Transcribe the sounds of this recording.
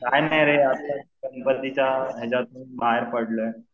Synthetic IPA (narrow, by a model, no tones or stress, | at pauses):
kajnajɾeapt͡ɕasəmpət̪it͡ɕaɦed͡ʑat̪uːnmaɦeɾpəɽlə